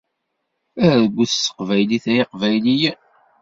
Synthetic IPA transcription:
æɾðəɡʷːuθsːə̥qvæjliθæiqvæjlij

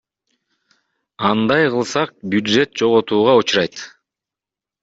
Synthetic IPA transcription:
ɑnd̪ɑjqɯlˠsɑq̚bjud̪ʒe̞t̪̚d͡ʒo̞ʁot̪uːʁɑut͡ʃɾɑjt̪

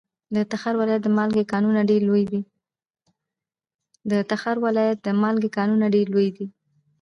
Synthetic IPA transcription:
d̪ət̪axaɾwalɑjat̪̚d̪əmɑlɡekɑnunaɖeɾlojd̪i | d̪ət̪axaɾwalɑjat̪̚d̪əmɑlɡekɑnunaɖeɾlojd̪i

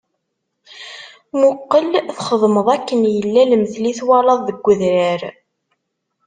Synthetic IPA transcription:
mʊqːəlθχəðˤməðˤækːənjəlːælməθliθwɑlɑðˤðəɡʷːəðɾəɾ

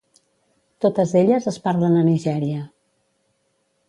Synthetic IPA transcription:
t̪ot̪əzeʎəzəspaɾlənəniʒɛɾiə

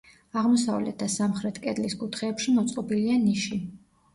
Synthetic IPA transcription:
aʁmɔsavlɛ̰t̪̚ʰd̪asamχɾɛt̪ʰkʼɛd̪liskʼut̪ʰχɛːpʃimɔt̪sʼqʼɔbilianiʃi

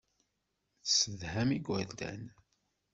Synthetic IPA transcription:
θsəðhæmiɡʷwæld̪æ̰n

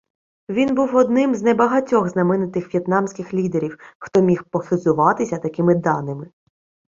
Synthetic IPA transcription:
ʋʲinbuwɔd̪nɪmzʲnɛbɐɦɐtʲɔɣznɐmɪnɪt̪ɪxʋʲjɛt̪nɑmsʲkɪxlʲid̪eɾʲiwxt̪ɔmʲixpɔxɪzʊʋɑt̪ɪsʲɐt̪ɐkɪmɪd̪ɑnɪmɪ

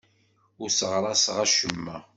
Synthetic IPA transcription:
ʊɾsəʁɾˤɑsʁæʃəmːæ

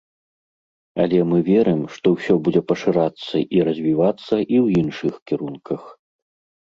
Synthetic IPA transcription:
ɐ̰lʲɛmɨvʲɛɾɨmʂt̪ɔwsʲɔbud͡zʲɛpɐʂɨɾat̪sːɐ̰ʔiɾɐzʲvʲivat̪sːɐʔiwjinʂɨxkʲiɾunkʰɐx

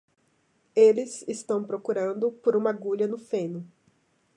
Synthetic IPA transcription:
elɪzɪst̪ɐ̃w̃pɾokuɾɐ̃nd̪ʊpoɾũmɐɡuʎɐnʊfẽnʊ

